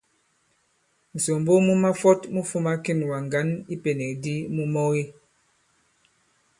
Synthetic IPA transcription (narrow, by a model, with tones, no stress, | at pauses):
n̩˨so˨mbo˦mu˦ma˦fɔ˦tmu˦fu˦ma˦ki˦˨n˨wa˨ŋ˨ɡa˨˦ni˦pe˨nɛ˨kdi˦mu˦mɔ˦ɣi˦